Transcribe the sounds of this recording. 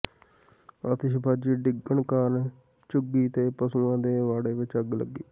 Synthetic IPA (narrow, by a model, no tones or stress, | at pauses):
ət̪ɪʃbʱaːd͡ʒiːɖɪɡəɳkaːɾn | t͡ʃʊɡiːt̪eːpəsuːãːd̪eːʋaːɽeːʋɪt͡ʃəɡlə̰ɡːiː